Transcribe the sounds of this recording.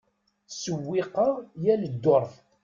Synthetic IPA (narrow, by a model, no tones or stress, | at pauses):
səwːiqɑjæləd̪ːoɾˤθ